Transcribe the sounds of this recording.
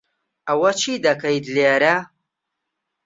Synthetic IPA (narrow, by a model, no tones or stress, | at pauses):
ɐwɐt͡ʃʰid̪ɐkʰɐjd̪leːɾɐ